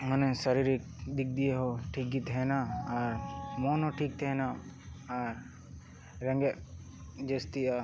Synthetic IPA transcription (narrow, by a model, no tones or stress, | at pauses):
mənẽsəɾiɾik | d̪ɪk̚ʰd̪ieɦoʈʰiːk̚ɡit̪ʰɛːnaaɾmoːnoʈʰiːk̚t̪ʰeːnaaɾ | ɾɐ̃ŋɡe | d͡ʒest̪ia